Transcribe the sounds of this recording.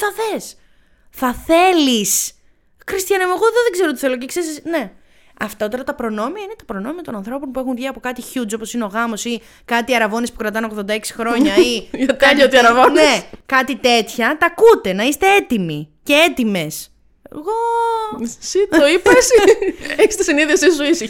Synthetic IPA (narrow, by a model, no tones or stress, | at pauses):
θɐθe̞s | θɐθe̞lis | xɾist̪çɐnɐmoɣoðoðeɡze̞ɾot̪i̥θe̞lo̞ceksesisne̞ | ɐft̪ɐt̪o̞ɾɐt̪ɐpɾo̞no̞miɐine̞t̪ɐ̥pɾo̞no̞miɐt̪o̞nɐnθɾo̞po̞npue̞xuɱvʝiɐpokɐt̪içud͡zo̞po̞sineo̞ɣɐmo̞si | kɐt̪iɐɾɐvo̞nespukɾɐt̪ɐno̞ɣðond̪ɐeksi̥xɾo̞ɲɐiɐt̪ɐʎɐot̪iɐɾɐvonnekɐt̪it̪e̞t̪çɐt̪ɐkut̪e̞nɐist̪e̞e̞t̪imicee̞t̪ime̞s | eɣo | sitoipɐsieçi̥st̪isiniðiɐsissoisi